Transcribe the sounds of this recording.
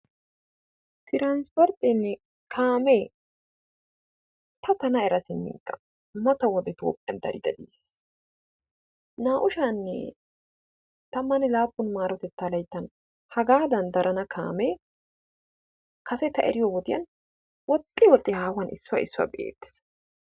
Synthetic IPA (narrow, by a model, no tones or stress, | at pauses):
t̪ɪɾaːnspɔɾt̪ʼːɪnːɛ | kʰaːmeː | t̪ʰɐt̪ɐnɐɛɾɐsɪmːɪ̰ŋkʼːɐ̥ | mɐt̪ɐwɔd̪ɛt̪o̰ːpʼːɪjɐ̰nd̪ɐɾɪd̪ɐd̪ḭːs | naːʔʊʃaːnːɛ̰ | t̪ɐmːɐnɛlaːpːʊnmaːɾɔt̪ɛt̪ːalɐjt̪ːɐn | hɐɡaːd̪ɐnd̪ɐɾʔɐnɐkʰa̰ːmeː | kɐsɛt̪ɐʔɛ̰ɾɪjɔwɔt̪ɪjɐ̰n | wɔt̪ʼːɪwɔt̪ʼːɪhaːwɐnʔɪsːʊwɐ̰ɪsːʊɐ̰bḛːt̪ːɪ̥s